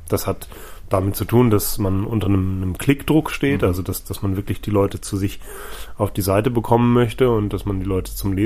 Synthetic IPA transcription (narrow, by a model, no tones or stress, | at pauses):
d̥ashat | d̥amɪt̚t͡sutʰuːndasmanʔʊntɐnəmnəmkʰl̥ɪkd̥ʁʊkʃteːtʔalzodasd̥asmanvɪɐklɪçd̥iːlɔʏtət͡suzɪç | ʔaʊfd̥iːzaɪtəbəkʰɔmənmœçtəʊnt̚d̥asmandiːlɔʏtə̥t͡sʊmleː